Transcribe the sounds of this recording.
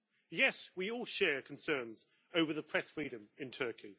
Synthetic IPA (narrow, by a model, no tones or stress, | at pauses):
jɛswiɔːlˠʃɛːkʰə̃nsɜ̃ːnz | əʊvəðəpʰɹ̥ɛsfɹiːɾə̃mɪ̃ntʰɜˑkʰi